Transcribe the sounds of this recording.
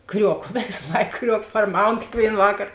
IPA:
ˈkrʲuɔkoː ˈʋʲeːs ˈlˠɐɪk ˈkrʲuɔk pɐrˈmɐʊn kʲeːkˈʋʲeːɪn ˈʋɑːkɐr

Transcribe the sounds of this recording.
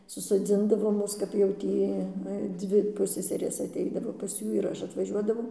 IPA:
sʊsoːˈd͡zʲɪndɐʋoː ˈmʊs kɐp jɛʊ ˈtʲiː ˈnʊ ɪ ˈdʲʋʲɪ ˈpʊsʲsʲɛsʲɛrʲeːs ɐtʲˈɛɪdɐʋoː pɐs ˈjuː ɪr ˈɐʃ ɐtʋɐˈʒʲuɔdɐʋɐʊ

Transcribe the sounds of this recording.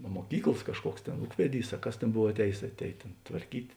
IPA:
ɐ muɔˈkʲiːklˠɐs ˈkɑːʃˌkuɔks ˈtʲeːn ˈuːkʋʲɛˌdʲiːs ɐ ˈkɐs ˈtʲeːn ˈboːw ɐtʲˈɛːjeːs ɐtʲˈɛːj tʲeːn tʋɐrʲˈkʲiːtʲ

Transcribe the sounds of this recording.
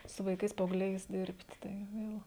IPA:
sʊ ʋɐɪˈkɐɪs pɐɐʊɡˈlʲɛɪs ˈdʲɪrʲpʲtʲ ˈtɐɪ ˈʋʲeːlˠ

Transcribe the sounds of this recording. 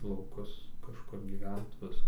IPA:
lˠɐʊˈkʊs kɐʃˈkʊr ɡʲiːˈʋʲɛnt ˈʋʲɪsɐ

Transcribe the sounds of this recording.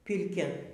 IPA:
pʲɪrʲˈkʲɛ

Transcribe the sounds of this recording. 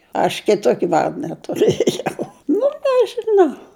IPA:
ɐʃ kʲɪˈtoːkʲɪ ˈʋɐrdɐ tʊˈrɘjɛʊ nʊ nʲɛʒʲɪˈnɐʊ

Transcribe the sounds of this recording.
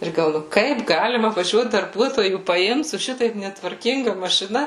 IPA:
ˈɪr ɡɐlˠ ˈnʊ ˈkɐɪp ˈɡɑːlʲɪmɐ ʋɐˈʒʲuɔt dɐrˈbuɔtoːjuː pɐˈɪmt sʊ ˈʃʲɪtɐɪp nʲɛtʋɐrʲˈkʲɪŋɡɐ mɐʃʲɪˈnɐ

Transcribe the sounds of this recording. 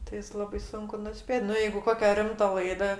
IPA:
tɐɪ ˈjɪs ˈlˠɑːbɐɪ ˈsʊŋkʊ nʊˈsʲpʲeːtʲ ˈnʊ ˈjɛɪɡʊ ˈkoːkʲɛ ˈrʲɪmtɐ ˈlˠɐɪdɐ

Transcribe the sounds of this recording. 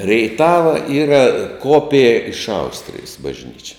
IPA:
rʲɛɪˈtɑːʋɐ ˈiːrɐ ˈkoːpʲɪjɛ ɪʃ ˈɐʊsʲtʲrʲɪjɪs bɐʒʲˈnʲiːt͡ʃʲɛ

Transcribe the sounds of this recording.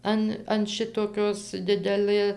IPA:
ˈɐn ɐn ˈʃʲɪtoːkʲoːs ˈdʲɪdʲɛlˠɘ

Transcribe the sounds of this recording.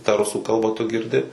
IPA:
tɑː ˈrʊsuː ˈkɐlˠbɐ tʊ ɡʲɪrʲˈdʲɪ

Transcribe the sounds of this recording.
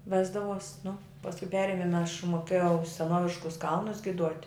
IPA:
ˈʋʲæːzdɐʋoːsʲ nʊ pɐsˈkʊ ˈpʲæːrʲɪmʲɪn ɐʃ moːˈkʲeːjɛʊ sʲɛˈnoːʋʲɪʃkʊs ˈkɐlˠnʊs ɡʲɪˈduɔtʲ

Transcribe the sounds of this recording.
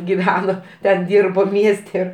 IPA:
ɡʲɪˈʋʲæːnoː tʲɛn ˈdʲiːrboː ˈmʲiɛsʲtʲɛ

